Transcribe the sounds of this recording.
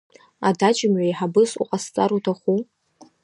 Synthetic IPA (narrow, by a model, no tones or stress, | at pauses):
adat͡ʃʼɪmɥajħabɨsṵqʼast͡sʼaɾutʰaχʷu